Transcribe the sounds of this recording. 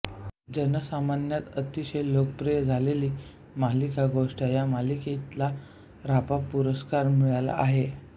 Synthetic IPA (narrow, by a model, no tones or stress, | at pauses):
d͡ʑənəsamanjat̪ət̪iɕejlokpɾijd͡zʱaleliː | malikaɡoʂʈajamaliket̪la | ɾapapuɾəskaɾmuɭala̰ʔaɦe